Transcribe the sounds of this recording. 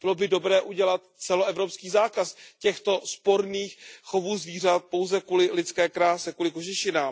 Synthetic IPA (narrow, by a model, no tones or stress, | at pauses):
bɪlo̞bɪdo̞bɾɛːʔuɟɛlat̪t͡sɛloɛvɾo̞pskiːzaːkascɛxt̪o̞spo̞ɾniːxxovuːzviːr̝at̪̚po̞wzɛkuːlɪlɪt͡skɛːkɾaːsɛkuːlɪkoʒɪʃɪnaːm